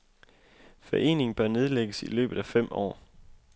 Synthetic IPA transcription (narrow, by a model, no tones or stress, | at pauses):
fɒʔe̝̰ːne̝ŋ̩b̥ɶɐne̝ð̞ˠleɡ̥əsḭlø̰ːb̥ð̩ˠæfem̰ɒ̰ː